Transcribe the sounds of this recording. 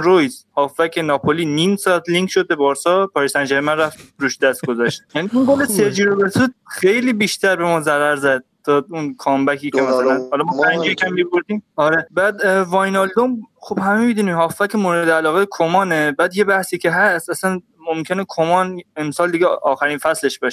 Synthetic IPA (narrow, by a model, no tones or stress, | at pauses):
ɾojzhɒːfːækʲʰenɒːpʰoliːniːmsɒæt̪ʰliŋkʰʃod̪̚bebɒːɾsɒpʰɒːɾisænd͡ʒæɾemænræft̪ɾuːʃd̪æst̪̚ɡozæʃt̪̚jæniuŋɡoleseɾd͡ʒiːɾobelsud̪̚xejliːbiʃt̪ʰæɾbemɒːzæɾæɾzæd̪̥̚ːʰɒunkʰɒːmbækʰiːkʰemæsælænhɒlɒmɔːpʰænd͡ʒikʲʰæmːiboɾd̪iːmɒɾebæd̪vɒjnɑld̪omxob̥hæmemid̪uːniːmhɒːfːækemoɾed̪eælɒːɣekʰomɒːnebæːd̪je̞bæhsiːcʰe̞ɦæst̪æsæn | momkʰenekʰomɒnemsɒːld̪iɡeʔɒːxæɾiːnfæsle̞ʃb̥ɒʃe̥